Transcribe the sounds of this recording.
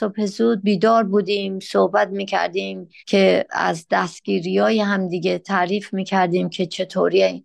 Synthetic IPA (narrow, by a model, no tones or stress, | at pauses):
sophe̞zuːd̪̚biːd̪ɒːɾbuːd̪iːmsohbæt̪̚miːcʰæ̰ɾd̪iːmcʰe̞æ̰zd̪æst̪̚ɡ̥iːɾiːjɒːjeɦæmd̪iɡet̪ʰæʔɾiːfmiːcʰæɾd̪iːmcʰe̞t͡ʃʰe̞t̪ʰoːɾi